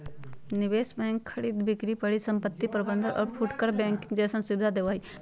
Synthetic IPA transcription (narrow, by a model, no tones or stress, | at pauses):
niʋeːsbɛ̃ŋkʰːɐɽiːd̪bikɾipɐɽisɐmpət̪ːipɾɐbənd̪ʱəɾʔɔ̰ːɾfʰuʈkəɾbɛ̃ŋkɪ̃ŋɡd͡ʒeːsɐnsubɪd̪ʱad̪eːʋaːi